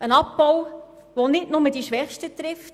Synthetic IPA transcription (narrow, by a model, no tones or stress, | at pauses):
ənɑpbɔw | ʋonɪtnʊmədiʃʋɛχʃtətɾɪft